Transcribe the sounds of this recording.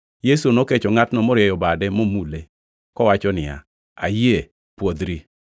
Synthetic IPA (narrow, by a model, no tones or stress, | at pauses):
jesunoket͡ʃɔŋatnɔmɔɾjɛjɔbadɛmomule | kɔwat͡ʃɔnɪja̰ | a̰je | pwod̪ɾi